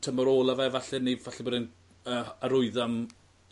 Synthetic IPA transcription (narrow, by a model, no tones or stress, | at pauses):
tʰəmaɾoːlˠavɛvaɬɛnivaɬɛboːdɛn | əːaɾʊɨðam